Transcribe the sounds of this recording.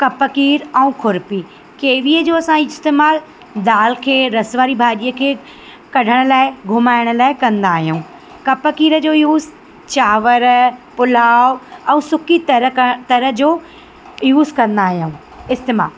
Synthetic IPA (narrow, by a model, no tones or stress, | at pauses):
kɐpəkiːɾɛ̃ũkʰʊɾpi | keːʋiːəd͡ʑoːɐsãiɪst̪eːmaːl | d̪aːlkʰeːɾɐsʋaːɾibʱaːɗiːəkʰeː | kɐɖʱəɽ̃ə̆laːɪɡʱʊmaːɪɽ̃ə̆laːɪkɐ̃nd̪aːɦijũũː | kɐpəkiːɾəd͡ʑoːjuːz | t͡ɕaːʋəɾpʊl̤aːɛ̃ũsʊkit̪ɐɾt̪ɐɾə̆d͡ʑoː | juːzkɐ̃nd̪aːɦijuũː | ɪst̪eːma̰ːl